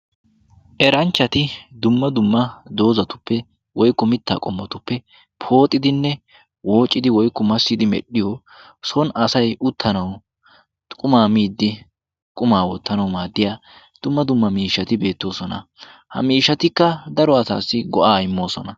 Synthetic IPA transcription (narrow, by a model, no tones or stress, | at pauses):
ʔɛɾɐnt͡ʃːɐt̪ɪd̪ʊmːɐd̪ʊmːɐd̪o̞ːzɐt̪ʊ̥pːɛ | wɔjkːɔmɪt̪ːa̰ːkʼɔmːɔt̪ʊpːɛ | pʰo̞ːt̪ʼːɪd̪ɪnːɛ | wo̞ːt͡ʃʼːɪd̪ɪwɔjkːɔmɐsːɪd̪ɪmɛ̰ɗːɪjo | sɔnɐsɐjʊt̪ʰːɐnɐw | kʼʊmaːmiːd̪ːɪ | kʼʊmaːwɔt̪ːɐnɐwmaːd̪ːɪjaː | d̪̥ʊmːɐd̪ʊmːɐmiːʃːɐt̪ɪbe̞ːt̪ːo̞ːsɔnɐ̰hɐ̰miːʃɐt̪ɪkːɐd̪ɐɾɔɐsa̰ːsːɪɡɔʔaːɪmːo̞ːsɔnɐ